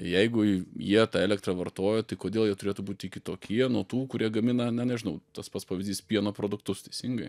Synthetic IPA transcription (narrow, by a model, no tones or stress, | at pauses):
jɛɪɡʊjiɛt̪ɑɛːlʲɛkt̪rɑʋɐrt̪oːjot̪ɐɪkoːd̪ʲeːlˠjiɛt̪ʊɾʲeːt̪ʊbuːt̪ʲɪkʲɪt̪oːkʲiɛnuɔt̪uːkʊɾʲiɛɡɐmʲɪnɐnʲɛnʲɛʒʲɪnɐʊt̪ɐspɐt̪spɑːʋɪzʲdʲiːspʲiɛnoːpɾoːd̪ʊkt̪ʊst̪ʲɛɪsʲɪŋɡɐɪ